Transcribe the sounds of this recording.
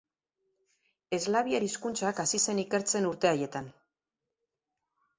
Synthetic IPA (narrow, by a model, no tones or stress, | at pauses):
e̞zlaβiaɾiskunt͡sakasise̞nike̞ɾt͡se̞nuɾt̪e̞aje̞t̪an